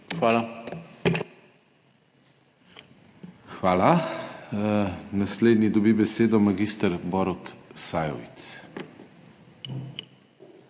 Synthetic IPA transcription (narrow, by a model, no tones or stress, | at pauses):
xʋaːla | xʋaːla | nasleːd̪nid̪ɔbibɛseːd̪ɔmaɡiːst̪əɾbɔɾɔt̪sajɔ̰ʋḭt̪s